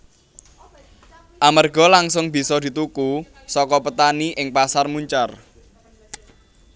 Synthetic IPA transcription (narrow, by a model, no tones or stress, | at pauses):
ʔamarɡɔ̤laŋsʊŋb̥i̤sɔd̪̥i̤t̪uku | sɔkɔpət̪aniʔɪŋpasarmuɲt͡ʃar